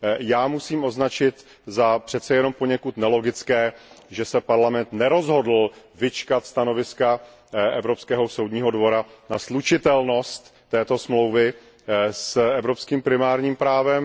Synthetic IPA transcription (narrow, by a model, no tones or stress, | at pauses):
jaːmusiːmʔo̞znat͡ʃɪt̪ | zapr̥ɛt̪t͡sɛjɛno̞mpo̞ɲɛkut̪nɛlo̞ɡɪt͡skɛːʒɛsɛpaɾlamɛnt̪nɛɾo̞zɦo̞dl̩ | vɪt͡ʃkat̪st̪ano̞vɪska | ɛvɾo̞pskɛːɦo̞sowdɲiːɦo̞dvo̞ɾanaslut͡ʃɪt̪ɛlno̞st̪ːɛːt̪o̞smlo̞wvɪ | sɛvɾo̞pskiːmpɾɪmaːɾɲiːmpɾaːvɛm